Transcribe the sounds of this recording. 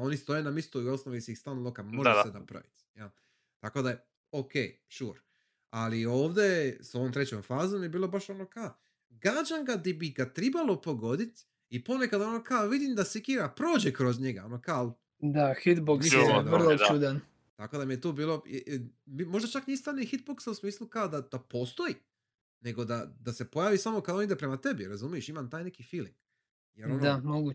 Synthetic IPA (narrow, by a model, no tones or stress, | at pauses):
o̞nist̪o̞jenamist̪oosnoʋiseist̪anlˠokaoʒesenapɾa̰ʋḭt̪jal | t̪ako̞d̪ae | okḛː | ʃuɾ | alio̞ːʋd̪eso̞ʋomt̪ɾet͡ɕomfaːzomjebiːlo̞baʃo̞no̞ka | ɡad͡ʒaŋɡad̪ibiɡat̪ɾibalˠo̞po̞ɡo̞d̪it̪ | ipo̞nekad̪onokalʋid̪imd̪asikiɾapɾo̞ːd͡ʑekɾozɲeɡaonokal | d̪ahit̪boksiorlˠoud̪an | t̪ako̞d̪amije̞t̪uːbiːlo̞̰ | mimo̞ʒd̪at͡ʃaknist̪anixit̪̚boksausmiːslˠukaod̪ad̪̥apo̞ːst̪o̞i | ne̞ɡo̞d̪ad̪ase̞po̞jaːʋisamo̞kad̪onid̪epɾemat̪e̞biɾazumije̞ʃimamt̪aːjne̞kifiːlḭŋɡ̥ | je̞ɾonoamoɡu